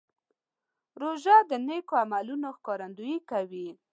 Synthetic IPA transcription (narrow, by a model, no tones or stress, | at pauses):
ɾoʒad̪ənekoamalunoxkɑɾand̪ujikawi